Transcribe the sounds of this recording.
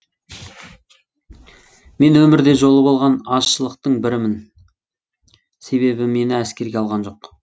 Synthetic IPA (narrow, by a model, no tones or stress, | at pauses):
me̞nwɵmɪɾd̪e̞ʒo̞lˠəbolˠʁɑnɑsʃəlˠəqt̪əɴbɪɾɪmɪn | se̞βe̞bɪme̞nɪæskʲe̞ɾɡʲe̞ɑlˠʁɑnʒo̞q